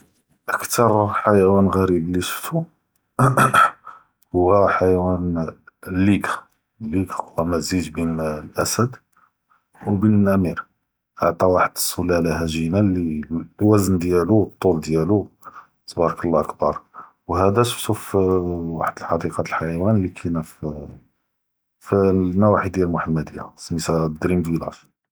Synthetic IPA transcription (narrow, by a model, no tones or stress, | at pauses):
ʔəkt̪ʰɑɾˤħajwænɣæɾibliʃə̥ft̪u | hʊwːæħajwæn | lːiɡ | lːiɡhʊwæmæzid̪binlʔæsəd̪ | wbinəlʔæmiɾ | ʔəʕt̪ˤɑwaħəd̪əsːulælhæʒinælːiwæznd̪jæluwt̪ˤːuld̪jælu | sbɑɾˤɑkəlːɑʔɑkbɑɾˤ | whæd̪æt̪t̪ufwa̰ħəd̪əlħɑd̪iqɑəlħajwænlikʰænæf | fnæwaħid̪jælmʊħəmːæd̪jæ̰smisæd̪ɾimd̪ilɑ̰f